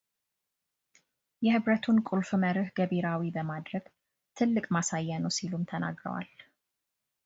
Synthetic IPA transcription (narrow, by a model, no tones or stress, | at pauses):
jɛhɨβɾət̪ʰunkʼulfməɾɨhɡəbiɾawibəmad̪ɾəɡ̥ | t̪ʰɨlːɨkʼmasajːanəwsilumt̪ʰəna̰ɡɾə̰wa̰l